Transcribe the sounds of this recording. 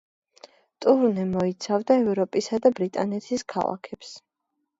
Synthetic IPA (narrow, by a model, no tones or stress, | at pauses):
t̪ʼuɾnɛmɔit̪sʰavd̪aɛvɾɔpʼisad̪abɾit̪ʼanɛt̪ʰiskʰa̰lˠa̰kʰɛps